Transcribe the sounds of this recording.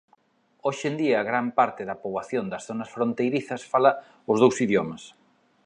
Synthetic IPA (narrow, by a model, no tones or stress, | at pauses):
oʃend̪iɐːɣɾampaɾt̪ɪðɐpoβaθjond̪ɐsθonɐsfɾont̪ejɾiθɐsfalɐ | ʊzðowsiðjomɐs